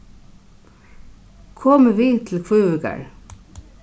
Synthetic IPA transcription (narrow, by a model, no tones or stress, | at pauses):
kʰɔməʋiːt̪ʰl̩kʰʉːʉɡə̰ɹ